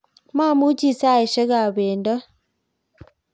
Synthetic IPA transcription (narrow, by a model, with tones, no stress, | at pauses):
ma˦˨mu˦t͡ʃi˦˨sa˦˨e˨ʃe˦ɣa˨βeː˨nda˦